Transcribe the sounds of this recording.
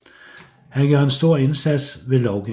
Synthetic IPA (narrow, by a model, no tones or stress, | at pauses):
hænɡ̥ɶɐensd̥o̝ɐ̰e̝nsæd̥sʋe̝lɒʊɡ̥i